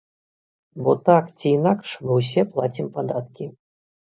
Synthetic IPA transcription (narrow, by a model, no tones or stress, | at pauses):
bɔt̪akt͡sʲiːnakʂmɨwsʲɛplˠat͡sʲimpad̪at̪kʲi